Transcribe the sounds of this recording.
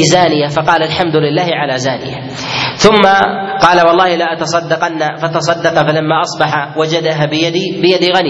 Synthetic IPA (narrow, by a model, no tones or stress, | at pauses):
zaːnɪjafɑqɑːlalħamd̪ʊlɪlːaːhɪʕalazaːnɪ̰ja̰ | θʊmːaqɑːlawɑlˤːɑːhɪlaʔat̪ɑsˤɑd̪ːɑqɑnːafat̪ɑs̬ˤɑd̪ːɑqfalamːaʔɑsˤbɑħawad͡ʒad̪aɦaːbɪjad̪ibɪjad̪iɣan